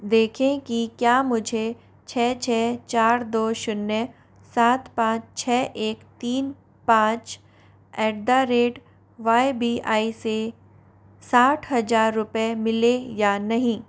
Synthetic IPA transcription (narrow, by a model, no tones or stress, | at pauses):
d̪eːkʰẽkikjaːmʊd͡ʒʱe | t͡ʃʰɛːt͡ʃʰɛːt͡ʃaːɾd̪oːʃʊnːə | saːt̪pãːt͡ʃt͡ʃʰɛːʔeːkt̪iːn | pãːt͡ʃ | ɛːʈ̚d̪aɾeːʈ | ʋaːebiːʔaːise | saːʈʰɦɐd͡ʒaːɾːʊpemɪlejaːnɐɦĩː